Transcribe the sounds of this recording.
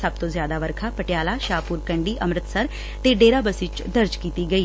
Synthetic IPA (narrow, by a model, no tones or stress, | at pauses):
səb̚t̪õːzjaːd̪aːʋəɾkʰaːpəʈjaːlaːʃaːpuːɾkəɳɖiːʔəmɾət̪səɾ | t̪eːɖeːɾaːbəsɪt͡ʃd̪əɾd͡ʒkiːt̪iːɡəiː